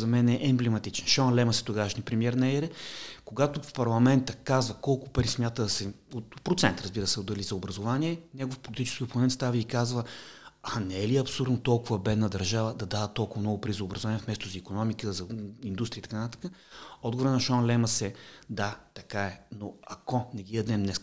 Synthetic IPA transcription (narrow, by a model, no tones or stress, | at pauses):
zɐmɛnɛʔɛːmblɛmɐt̪it͡ʃɛnʃɔnlɛmɐsɛ̥t̪ʊɡaʃnipɾɛmiɛɾnɐɛɾɛkoɡat̪ʊfpɐɾlˠɐmɛnt̪əkazvəkɔlˠkʊpəɾismʲjat̪əd̪ɐsɛ | opɾot̪sɛnt̪ɾɐzbiɾəsɛod̪ɐlizɐobɾɐzʊvanʲiɛnɛɡofpolit̪it͡ʃɛ̥skʲiopomɛnt̪st̪avəikazvə | anɛɛliɐpsʊuɾd̪not̪ɔlˠkʊvɐbɛd̪nəd̪ɐɾʒavəd̪ɐd̪avət̪ːɔlˠkʊvɐmnɔɡʊpəɾizɐːbɾəzʊvaniɛfmɛst̪ʊzɐikonɔmikəzɐind̪ust̪ɾit̪ɐ̥kant̪ḁkəɔd̪̚ɡovoɾənɐʃɔnlɛmɐsɛd̪at̪ɐkaɛnoɐkɔnɛɡ̪ʲiəd̪nɛnnɛ